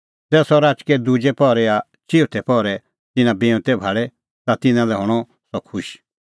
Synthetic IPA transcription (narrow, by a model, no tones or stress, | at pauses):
t̪ɛːsɔɾaːt͡ʃkɛd̪ud͡ʒɛpɔɾɛa | t͡ʃʰiʊt̪ʰɛpɔɾɛ | t̪ɪnãbeʊ̃t̪ɛbʱaːɽɛ | t̪at̪ɪnãlɛɦɔɽ̃ɔ | sɔkʰʊʃ